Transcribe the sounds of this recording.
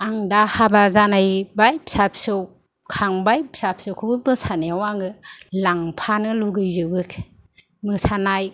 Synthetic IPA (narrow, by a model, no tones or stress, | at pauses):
aŋdahabazanajbajpsap̚ʰsɯw | kʰaŋbajp̚sap̚sɯwkʰɯbɯbɯsanijawaŋɯlaŋpʰanɯluɡɯjzɯbɯkʰ | mɯsanaj